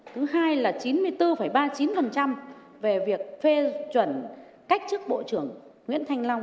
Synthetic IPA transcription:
t̪ʰɨ˨˦ɦaː˧jlaː˨˩t͡ɕi˨˦nmɨ˧əjt̪ɨ˧fə˧˩jɓaː˧t͡ɕi˨˦nfə˨˩nt͡ɕa˧m | ve˨˩vi˨˩ək̚fe˧t͡ɕwə˧˩n | ka˦˥k̟̚t͡ɕɨ˦˥ək̚ɓo̰˧˨t͡ɕɨ˧˩əŋ | ŋwḭ˧˥ənt̪ʰa˧jŋ̟la˧wŋ͡m

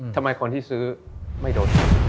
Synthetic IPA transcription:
t̪ʰa˧mːa˧jkʰo˧nt̪ʰiː˥˩sɯː˦˥ma˥˩jdoː˧t̪a˧˩

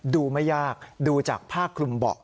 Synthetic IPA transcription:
duː˧ma˥˩jːaː˥˩k̚duː˧t͡ɕaː˨˩k̚pʰaː˥˩kʰːlu˧mbɔ̰˨˩ʔ

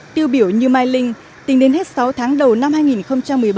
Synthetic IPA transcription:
t̪i˧əwɓi˧˩əwɲɨ˧maː˧jlï˧ŋ̟ | t̪ï˨˦ŋ̟ɗe˨˦nhe˦˥t̚sa˨˦wt̪ʰaː˨˦ŋɗə˨˩wna˧mhaː˧jŋi˨˩nxə˧wŋ͡mt͡ɕa˧mːɨ˨˩əjɓ

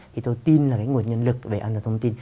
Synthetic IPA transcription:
i˨˩t̪o˧jt̪i˧nlaː˨˩kaː˨˦ŋu˨˩ənɲə˧nlɨ˨˩k̚ve˨˩ʔaː˧t̪ʰːt̪ʰə˧ŋ͡mt̪i˧n

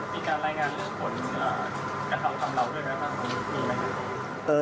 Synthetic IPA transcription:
miː˧kaː˧nɾaː˧˩jŋaː˧nlɯ˧˩əŋpʰo˩˦n | ʔaː˨˩ | kɾa˧t̪ʰa˧mk̪ʰa˧mɾa˧wdu˥˩əjma˦˥jmaː˥˩k̚a˧˩u˦˥t̚niː˧˥˩la˧˩na˧˩a˧˩˧ | ʔɤː˧

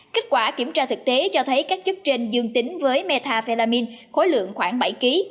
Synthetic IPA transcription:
ke˦˥k̟̚kwaː˧˩ki˧˩əmt͡ɕaː˧t̪ʰɨ˨˩k̚t̪e˨˦t͡ɕɔ˧t̪ʰə˨˦jkaː˦˥k̚t͡ɕɨ˦˥k̚t͡ɕe˧ŋ̟zɨ˧əŋt̪ï˨˦ŋ̟vəː˨˦jme˧t̪ʰaː˧fe˧laː˧mi˧nxo˨˦jlɨ̰˧˨əŋxwaː˧˩ŋɓa˧˩jki˨˦

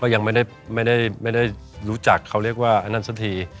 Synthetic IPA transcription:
kɔː˥˩ja˧ŋma˥˩jda˥˩j | ma˥˩jda˥˩jma˥˩jda˥˩jɾuː˦˥t͡ɕa˨˩kʰːa˧˩wɾi˥˩ək̚waː˥˩ʔa˧nːa˥˩nsa˧˥t̪ʰiː˧

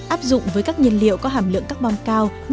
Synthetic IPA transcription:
ʔaː˦˥p̚zʊ̰˧˨ŋ͡mvəː˨˦jkaː˦˥k̚ɲi˧ənlḭ˧˨əwkɔ˨˦ɦaː˧˩mlɨ̰˧˨əŋkaː˦˥k̚ɓɔ˧nkaː˧w

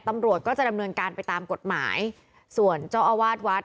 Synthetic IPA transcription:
t̪a˧mɾu˨˩ət̪̚kɔː˥˩t͡ɕa˨˩da˧mnɤː˧nkaː˧npa˧jt̪aː˧mko˨˩t̪̚ma̰ː˩˦j | su˨˩ənt͡ɕaː˥˩ʔa˧waː˥˩t̪̚wa˦˥t̪̚

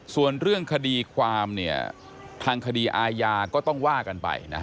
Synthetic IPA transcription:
su˨˩ənɾɯ˥˩əŋkʰa˧diː˧kʰwaː˧mni˥˩ɐ̰ | t̪ʰaː˧ŋkʰa˧diː˧ʔaː˧jaː˧kɔː˥˩t̪ɔ˥˩ŋwaː˥˩ka˧npa̰˧jna̰˦˥kʰ

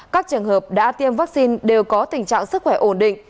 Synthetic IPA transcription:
kaː˦˥k̚t͡ɕɨ˨˩əŋhəː˨˩p̚ɗa̰ː˧˥t̪i˧əmvaː˦˥k̚si˧nɗe˨˩wkɔ˨˦t̪ï˨˩ŋ̟t͡ɕa̰ː˧˨ŋsɨ˦˥k̚xwɛ˧˩ʔo˧˩nɗḭ˧˨ŋ̟

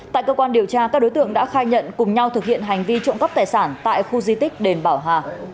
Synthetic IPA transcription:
t̪a̰ː˧˨jkəː˧kwaː˧nɗi˨˩əwt͡ɕaː˧kaː˦˥k̚ɗo˨˦jt̪ɨ̰˧˨əŋɗa̰ː˧˥xaː˧jɲə̰˧˨nkʊ˨˩ŋ͡mɲa˧wt̪ʰɨ˨˩k̚hḭ˧˨ənɦa˨˩jŋ̟vi˧t͡ɕɔ̰˧˨nkə˦˥p̚t̪aː˨˩jsaː˧˩nt̪a̰ː˧˨jxu˧zi˧t̪i˦˥k̟̚ɗe˧˩nɓaː˧˩wɦaː˨˩

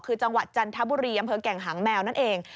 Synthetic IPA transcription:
kʰɯː˧t͡ɕa˧ŋwa˨˩t̪̚t͡ɕa˧nt̪ʰa˦˥buː˧ɾiː˧ʔa˧mpʰɤː˧kɛ˨˩ŋɦaː˩˦ŋmɛː˧wna˦˥nʔeː˧ŋ

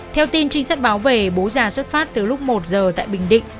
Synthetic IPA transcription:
t̪ʰɛ˧wt̪i˧nt͡ɕï˧ŋ̟sa˦˥k̚ɓaː˨˦wve˨˩ɓo˨˦zaː˨˩swə˦˥t̚faː˦˥t̚t̪ɨ˨˩lʊ˦˥k͡p̚mo˨˩t̚zəː˨˩t̪a̰ː˧˨jɓï˨˩ŋ̟ɗḭ̈˧˨ŋ̟

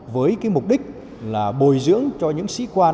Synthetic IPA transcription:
vəː˨˦jkaː˨˦jmʊ˨˩k͡p̚ɗï˦˥k̟̚ | laː˨˩ɓo˨˩jzɨ̰˧˥əŋt͡ɕɔ˧ɲɨ̰˧˥ŋsḭ˧˥kwaː˧

